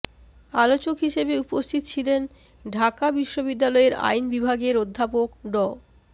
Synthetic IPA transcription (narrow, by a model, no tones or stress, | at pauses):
alot͡ɕokɦiʃebeupost̪ʰit̪ot͡ɕʰilen | ɖʱakabiʃːobid̪ːalɔeɾa̰jnbibʱaɡeɾod̪ʱːapokɖɔ